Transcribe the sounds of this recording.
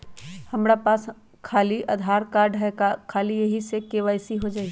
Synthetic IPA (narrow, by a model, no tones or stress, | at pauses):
hɐmɾapaːs | kʰaːliʔɐd̪ʱaːɾkaːɖkʰaːlijɐɦisekeʋaːɪsiɦod͡ʒaːiɡ